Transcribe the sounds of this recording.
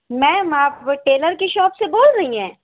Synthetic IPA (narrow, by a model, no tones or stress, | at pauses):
mɛ̃ːaːpʈeːləɾkeʃɔːpseboːlɾɐɦiɦɛ̃ː